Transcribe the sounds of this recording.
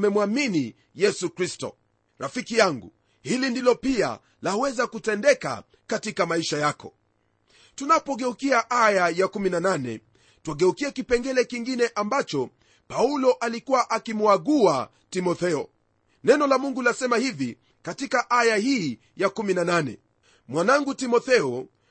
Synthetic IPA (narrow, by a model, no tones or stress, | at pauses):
mɛmwamini | jɛsukɾistɔ̰ | ɾafikijaŋɡṵ | hilindilɔpia̰ | lahuwɛzakutɛndɛka̰ | katikamaiʃajakɔ̰ | tunapɔɡɛukiaʔajajakuminananɛ̰ | twaɡɛukiɛkipɛŋɡɛlɛkiŋɡinɛʔambat͡ʃɔ | paulɔʔalikuwaʔakimuaɡua | timɔθɛɔ̰ | nɛnɔlamuŋɡulasɛmahivi | katikaʔajahiː | jakuminananɛ̰ | mwanaŋɡutimɔθɛɔ